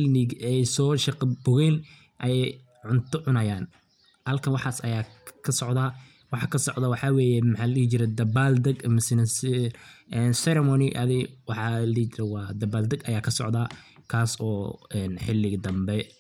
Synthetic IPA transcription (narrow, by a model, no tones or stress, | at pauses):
ħɪlɪɡɛjsɔːʃɐqɑbʊɣɛn | ʔɐjɛj | ʕʊnt̪ʰʊʕʊnɐjaːn | hɐlkʰɐnwɑħɑːsɐjaːkʰɐsɔʕd̪ɐ | wɑħɑkʰɐsɔʕd̪ɐwɑħɑwɛːjɛmɑħɑːlɐit͡ʃɪɾɛd̪ɐbaːld̪ɐɡmɪsɪnɐsɪʔɛnsɛɾɛmɔːnɪʔɐ̰ðɪwɑħɑliːt͡ʃɪɾɛwɑːd̪ɐbaːld̪ɐɡɐjaːkʰɐsɔ̰ʕd̪ɐkʰaːsɔːɛːnħɪlːɪɡd̪ɐmbɛ